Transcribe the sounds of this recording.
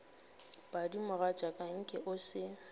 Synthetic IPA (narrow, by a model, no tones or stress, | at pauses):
b̥adimʊrat͡ʃʼakʼaŋ̩kʼɪʔʊsɪ